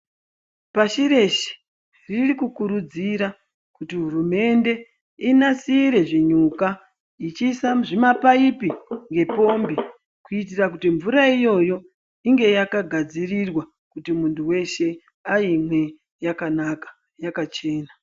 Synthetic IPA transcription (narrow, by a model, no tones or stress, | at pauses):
paʃiɾe̞ʃe̥ | ririkukuɾud͡ziɾa | kutiɦurume̞nde̞ | inasiːɾe̞ʐiɲuka | it͡ʃiːsaʐimapaipiŋɡe̞po̞mbi | kuit̬irak̬utiɱvuɾaijo̞jo̞ | iŋɡe̞jakaɡʱad͡zirirwa | kutimuntʰuwe̞ʃe̞ | aimwe̞ | jakanakḁ | jakat͡ʃe̞ːna